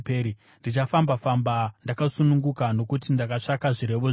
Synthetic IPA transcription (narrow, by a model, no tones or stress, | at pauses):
peːɾi | ndit͡ʃafambafambandakasunuŋɡukano̞kutindakaʂakaʐiɾe̞ʋoʐ